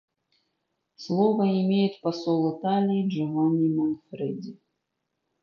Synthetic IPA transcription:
slˠɔvəɪmʲejɪt̪pɐsɔlˠɪt̪alʲiːʐɛvɔnʲimɔnfɾɛd̪ʲi

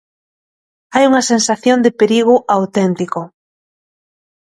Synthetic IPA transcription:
ajuŋɐsensaθjond̪epeɾiɣ̞ʊʔawt̪ɛnt̪iko

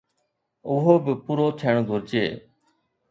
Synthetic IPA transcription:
ʊɦoːbɪpuːɾoːt̪ʰeɳɡʱʊɾt͡ʃḛː

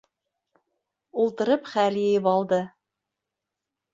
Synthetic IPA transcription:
ulˠt̪ɤ̆ɾɤpχæljɘ̆jɘpɑlˠd̪ɤ

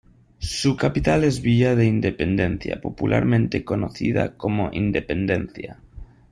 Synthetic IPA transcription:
sukapit̪alezβiaðeind̪epend̪en̟θja̰populʔaɾmẽnt̪ekonoθið̞a̰komoʔind̪epend̪en̟θja

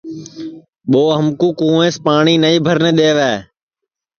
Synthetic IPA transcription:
ɓoːɦəmkũːkũːẽːspaːɳiːnəiːbʱəɾneɗ̪eːʋɛː

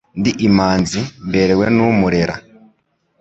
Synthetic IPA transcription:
ndiʔːmaːnzimbe̞ɾe̞we̞numuɾe̞ɾa̰

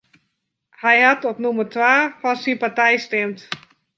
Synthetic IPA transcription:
hɛjhatɔpnumərtʋaːfɔnsinpatɛjstɛmt

